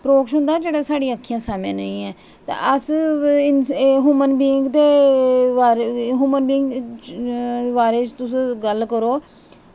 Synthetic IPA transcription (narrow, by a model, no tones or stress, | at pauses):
pɾoːkʃɦʊ̃nd̪aːd͡ʒeːɽaːsaːɽĩj̃əkʰːijãːsaːmjãːnəĩːɛː | t̪ã̰ːʔəsɪɦuːmənbiːŋɡt̪eːʋaːɾɦuːmənbɪːŋɡ | ʋaːɾeːt͡ʃt̪ʊs̬ːɡəlkəɾoː